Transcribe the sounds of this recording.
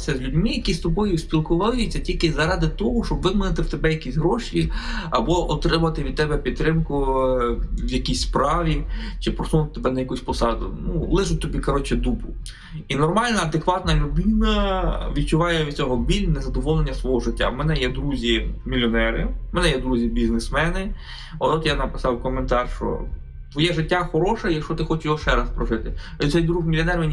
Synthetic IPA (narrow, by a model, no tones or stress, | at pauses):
sʲɐzʲlʲʊdʲmɪjɐkʲist̪ɔbɔjʊsʲpʲilˠkʊʋɑjʊːɐtʲilʲkɪzɐɾɑd̪ɪt̪ɔɦɔʃt͡ʃɔbʋɪd̪mɪnɪt̪ɪwt̪ebɛjɐkʲisʲɦɾɔʃiɐbɔʔɔt̪ɾɪmɐʋɐt̪ɪʋʲid̪̚t̪ɛbɛpʲid̪̚t̪ɾɪmkʊ | ʋjɐkʲisʲspɾɑʋʲit͡ʃɪpɾɔsumɐt̪ɪt̪ebɛnɐjɐkusʲpɔsɑd̪ʊ̰nulˠɪʒʊt̚ʲt̪ɔbʲikɐɾɔt͡ʃɛd̪upʊ | inɔrmɑlʲnɐɐd̪ekʋɑt̪nɐlʲʊd̪ɪnɐʋʲid̪̚t͡ʃʊʋɑjɛʋʲit͡sʲɔɦɔbʲilʲnɛzɐd̪ɔʋɔlˠenʲːɐsʋɔɦɔʒɪtʲːa̰mɛnɛjɛd̪ɾuzʲimʲilʲːɔnɛɾɪmɛnɛjɛd̪ɾuzʲibʲiznesmɛnɪ | ɔt̪ɔt̪janɐpɪ̥sɑwkɔment̪ɑrʃt͡ʃɔ̰ | t̪ʋɔjɛʒɪtʲːaxɔɾɔʃɛjɐkʃt͡ʃɔt̪ɪxɔt͡ʃɪjɔʃɛɾɐspɾɔʒɪt̪ɪ | t̪sɛjd̪ɾuɣmʲilʲiɔnɛɾmʲɛnʲi